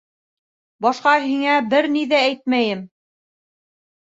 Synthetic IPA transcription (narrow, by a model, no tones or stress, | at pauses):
bɑʃqɑɦiŋæbɘɾniðææjt̪̚mæjɘm